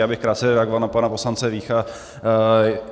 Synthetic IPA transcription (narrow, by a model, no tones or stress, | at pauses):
aːbɪxkɾaːt̪t͡sɛɾɛaɡovalnapanaposlant͡sɛviːxa